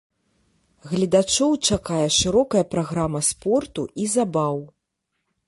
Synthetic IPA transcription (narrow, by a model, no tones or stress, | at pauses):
ɣlʲid̪at͡ʂɔwt͡ʂakajɛʂɨɾɔkɐjɐpɾaɣɾamɐspɔrt̪uʔizabaw